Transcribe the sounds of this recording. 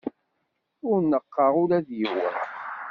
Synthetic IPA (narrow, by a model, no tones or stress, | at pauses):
ʊɾnːəqːɑʁʊɾæðjiwə̰n